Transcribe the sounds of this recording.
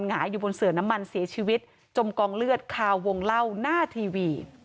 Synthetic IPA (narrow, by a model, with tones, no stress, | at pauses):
nŋaː˩˦jːuː˨˩bo˧nsɯ˨˩əna˦˥mːa˧nsi˩˦t͡ɕʰiː˧wi˦˥t̪̚ | t͡ɕo˧mkɔː˧ŋlɯ˥˩ət̪̚kʰaː˧wːo˧ŋla˥˩wnaː˥˩t̪ʰiː˧wiː˧